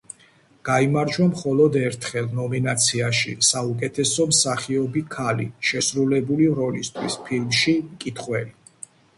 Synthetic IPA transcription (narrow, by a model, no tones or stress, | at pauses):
ɡ̥aimaɾd͡ʒwamχɔlˠɔd̪ɛɾt̪ʰχɛlˠnɔminat̪sʰiaʃḭsaukʼɛt̪ʰɛsɔmsaχiɔbikʰalḭʃɛsɾulɛbuliɾɔlist̪ʰwispʰilmʃimkʼit̪ʰχwɛli